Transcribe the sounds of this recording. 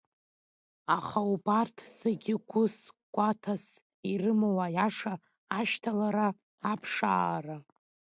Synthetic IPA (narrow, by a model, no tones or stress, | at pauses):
aχaubartʰsaɡʲɪɡʷʊsɡ̥ʷatʰas | irɨmawajaʂaː | ʃtʰalaɾaː | pʰʂa̰ːra